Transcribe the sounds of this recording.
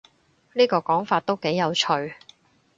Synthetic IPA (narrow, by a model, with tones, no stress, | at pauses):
niː˥kɔː˧kɔː˨˥ŋfaː˧t̚t̪o˥wke˨˥jːɐ˨˧wt͡ʃʰɵ˨˧ɥ